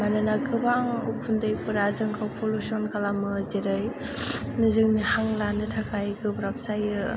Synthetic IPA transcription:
manɯnaɡɯbaŋupʰundɯjpʰɯɾazɯŋkʰawpʰɔlusɔnkʰalamɯzeɾɯj | nɯzɯŋnihaŋlanɯtʰakʰajɡɯbɾap̚saj

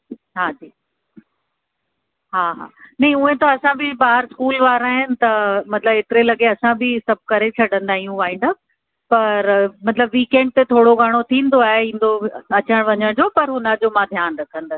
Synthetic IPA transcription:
ɦaːd͡ʑiː | ɦaːɦa̰ːnɐ̃ɦĩũɦẽt̪oɐsãbɪbaːɦɾskuːlʋaːɾaːɦɪnɪ̆t̪ɐmɐt̪ɪləbeːʈ̪ɪɾelɐɠeɐsãbʱɪsɐb̚ʱkɐɾet͡ɕʰɐɽə̃nd̪aːɦijũʋaːɦɪ̃ːnd̪ə | pɐɾmɐt̪ɪləbʋiːkẽːɳɖ̚t̪et̪ʰoːɽoɡʱaɽ̃ot̪ʰĩːnd̪oaːɦeĩːn̆d̪oɐt͡ɕəɽ̃ʋɐɲəɽ̃d͡ʑopɐɾɦunɐd͡ʑomãd̪ʱjaːnɾɐkʰə̃nd̪as

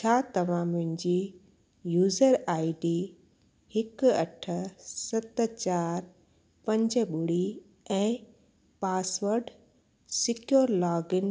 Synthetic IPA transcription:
t͡ɕʰaːt̪ɐʋ̤ãmʊ̃ɦɪ̃ɲd͡ʑi | juːzəɾaːɪɖiː | hɪkɐʈʰə̆sɐt̪t͡ɕaːɾ | pɐ̃ɲd͡ʑɓʊɽi | ɛ̃ː | paːsʋəɾɖ | sɪkjoːɾlaːɡɪn

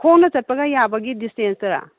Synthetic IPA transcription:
kʰownɐt͡ʃɐt̚pɐɡɐjabɐɡidistensɐɾa̰

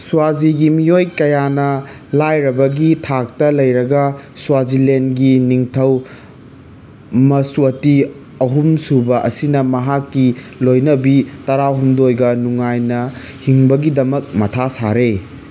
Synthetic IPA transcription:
suwaziɡimijojkɐjanɐ | lajɾɐbɐɡitʰak̚tɐlɐjɾɐɡɐswazilenɡiniŋtʰɐw | mɐsuɐti | ɐɦumsubɐʔɐ̰sinɐmɐɦakːilojnɐbitɐɾaɦumdojɡɐnuŋajnɐ | hiŋbɐɡidɐmɐk̚mɐtʰasaɾe

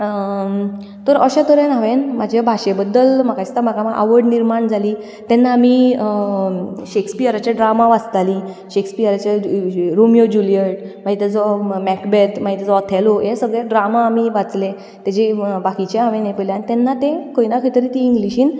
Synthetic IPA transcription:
t̪əɾəɕat̪əɾenaʋenmad͡ʑʱabʱaɕebəd̪ːəlm̤akaist̪am̤akamaʔa̰ʋəɽniɾmaɳd͡zʱali | t̪ɛnːaːmi | ɕekspiaɾat͡ɕjaɖɾamaʋat͡st̪ali | ɕekspiaɾat͡ɕaɾumijod͡ʑulijəʈ̚maɦit̪ɛd͡zɔmɛkbet̪mait̪ad͡zɔt̪ʰɛlojesəɡɭjaɖɾamaːmiʋat͡sle | t̪at͡ɕebakit͡ɕeɦaʋẽnepəleanit̪ɛnːat̪ẽkojnakʰəjt̪əɾit̪iːŋɡliɕiːn

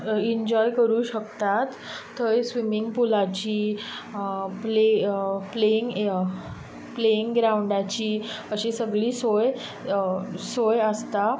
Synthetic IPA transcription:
iɲd͡ʑɔjkəɾuːɕəkt̪at̪ː | əjsʋimiŋɡpulat͡ɕiː | plepleiŋɡ | pleiŋɡɡɾawuɳɖat͡ɕiːəɕisəɡɭiːsoj | sojəst̪a

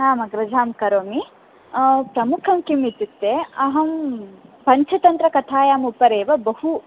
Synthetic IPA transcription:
ɦaːmɐɡɾɐd͡ʒʱaːmkɐɾoːmi | pɾɐmukʰɐmkimit̪it̪ːeɐɦɐmpɐɲt͡ʃʰɐt̪ɐnt̪ɾɐkɐt̪ʰaːjaːmupɐɾeːʋɐbɐhu

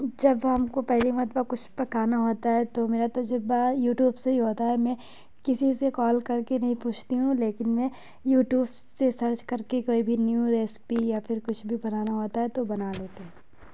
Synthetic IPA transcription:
d͡ʒɐbɦɐmkopɛɦlimɐt̪bakʊt͡ʃʰpɐkaːnaɦoːt̪aɦɛt̪omeːɾat̪od͡ʒɐbajuːʈjuːbseɦiɦoːt̪aɦɛmɛ̃ | kɪsisekɔːlkɐɾkenɐɦĩpuːt͡ʃʰt̪iɦũleːkɪnmɛ̃ | juːʈjuːb | sesɐɾt͡ʃkɐɾkekoːibʱinjuɾeːspijafʰɪɾkʊt͡ʃʰbʱibɐnaːnaɦoːt̪aɦɛt̪obɐnaleːt̪eɦɛ̃

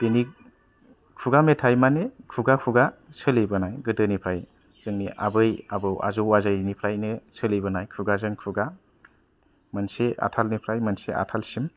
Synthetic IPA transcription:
tini | kʰuɡametʰajmanekʰuɡakʰuɡasɯlebɯnajɡɯdɯnipʰɾaj | z̥ɯŋniʔa̰bɯjabɯwa̰zowazajnipʰɾajnɯsʰɯlijbɯnajkʰuɡazɯŋkʰuɡa | mɯnseʔa̰tʰalnipʰɾajmɯnseʔa̰tʰalsim

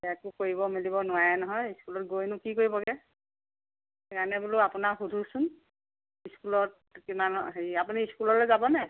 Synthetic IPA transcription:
ɛakʊkoɹibɔmilibɔnʊajɛnɔɦɔjiskulɔt̚ɡojnʊkikoɹibɔɡɛ | kanɛbulʊapʊnaɹxudʱusʊn | iskulɔt̚ | kimanɦeapuniːskulɔlɔzabɔnɛ

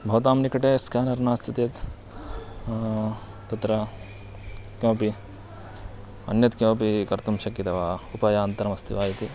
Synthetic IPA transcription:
bʱɐwt̪̬aːmnikɐʈeːskaːnɐɾnaːst̪ɐt̪it̪ | t̪ɐt̪ɾɐ | kjõːpi | ɐ̰njɐt̪kjõːpikɐɾt̪umʃɐkjɐt̪ɐʋaːupɐjaːnt̪ɐɾɐmɐst̪ʰiʋaːjɐt̪i

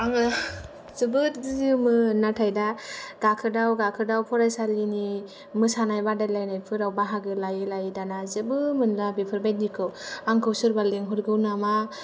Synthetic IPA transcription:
aŋɯ | zɯbɯtdɯmɯnatʰajdaɡ̥akʰɯdawɡakʰɯdawpʰɔɾajsalini | mɯsanajbadajlajnajpʰɯɾawbaɦaɡɯlajɯlajidanazɯbɯmɯnlabepʰɯɾbajt̚nikʰɯwaŋkʰɯwsɯɾbaleŋɦuɾɡɯwnama

